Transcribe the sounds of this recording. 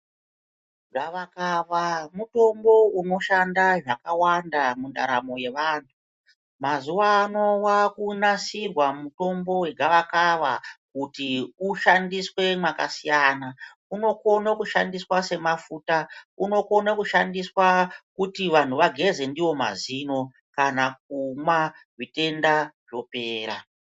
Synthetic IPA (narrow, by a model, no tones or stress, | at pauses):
ʐaʋakaʋamuto̞mbo̞uno̞ʃandaʐakawandamunda̰ɾa̰mo̞je̞ʋaːntʰu | mazuwaːno̞wakunasirwamuto̞mbo̞we̞ɡʱaʋakaʋakutiuʃandiswe̞mwaka̰sijaːna | uno̞ko̞nakuʃandiswase̞mafutauno̞ko̞nakuʃandiswakutiʋan̤uʋaɡʱe̞ze̞ndiwo̞ma̰zino̞ | kanak̚umwa | ʐite̞ndaʐo̞pe̞ːɾa